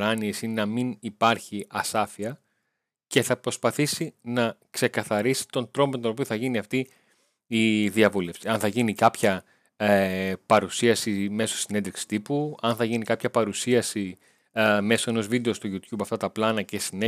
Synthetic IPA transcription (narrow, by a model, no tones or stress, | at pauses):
ɾɐniesinenɐminipɐɾçiʔɐsɐfiɐ | ce̞θɐpɾo̞spɐθisinɐkse̞kɐθɐɾisi̥t̪o̞nt̪ɾo̞mot̪ono̞pioθɐʝiniɐft̪i | iðiɐvule̞fsiɐnθɐʝinikɐpçɐ | pɐɾusiɐsime̞so̞sine̞nd̪ɾiksi̥t̪ipuɐnθɐʝinikɐpçɐpɐɾusiɐsi | me̞so̞e̞no̞zvid̪e̞ost̪uʝut̪jubɐft̪ɐt̪ɐplɐnɐce̞sine